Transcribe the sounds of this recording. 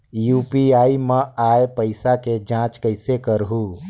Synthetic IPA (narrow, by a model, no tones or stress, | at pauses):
juːpiaːiməaːepəɪsaked͡ʒãːt͡ʃkəɪsekəɾɦũ